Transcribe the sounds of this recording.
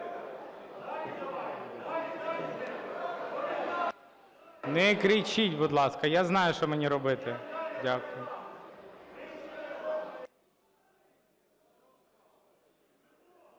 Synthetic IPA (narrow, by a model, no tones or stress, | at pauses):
nɛkɾit͡ʃitʲbʊd̪lˠɑskɐjaznɑjʊʃt͡ʃɔmenʲiɾɔbɪt̪ɪdʲakʊjʊ